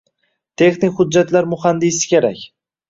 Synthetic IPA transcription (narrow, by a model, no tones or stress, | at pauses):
t̪ʰe̞χnɪkʲhʊːat̪laɾmʊχand̪ɪsɪ̥kʲʰeɾa̰kʲ